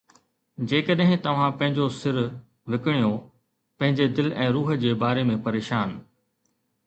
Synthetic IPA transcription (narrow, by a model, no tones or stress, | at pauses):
d͡ʑeːkɐɗɦɪ̃t̪ɐʋ̤ãpɐ̃ɦɪ̃ɲd͡ʑosɪɾ | ʋɪkɪɽ̃ijo | pɐ̃ɦɪ̃ɲd͡ʑed̪ɪlɛ̃ːɾuːɦə̆d͡ʑeːbaːɾemẽpɐɾeːʃaːn